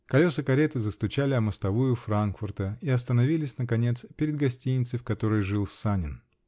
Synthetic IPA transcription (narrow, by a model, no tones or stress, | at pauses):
kɐlʲo̞sɨkɐɾʲet̪ɨzəst̪ʊt͡ɕalʲɪɐməst̪ɐvujʊfɾankfʊrt̪əiɐs̬t̪ənɐvʲilʲɪsʲnəkɐnʲet̪spʲɪɾʲɪd̪̚ɡɐsʲtʲinʲɪt̪sɨfkɐt̪o̞ɾəjʐɨlˠsanʲɪn